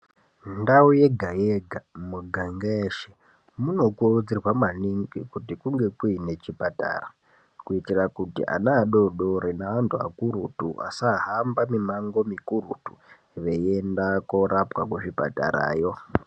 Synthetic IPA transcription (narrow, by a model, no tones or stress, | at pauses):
ndauje̞ɡʱajeɡʱamuɡʱaŋɡeʃe | muno̞kurud͡zirwamaniŋɡikutikuŋɡe̞kuine̞t͡ʃipata̰ra | kuitirakutḭʔa̰naːɗo̞ɗoɾinaʋantʰua̰kuɾutṵʔa̰saɦambamimaŋɡo̞mikuɾutu̥ | ʋe̞jendakoɾapwakuʐipa̰ta̰ɾa̰ːjo̞